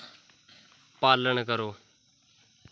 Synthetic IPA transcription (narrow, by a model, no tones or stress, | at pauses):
paːləɳkəɾoː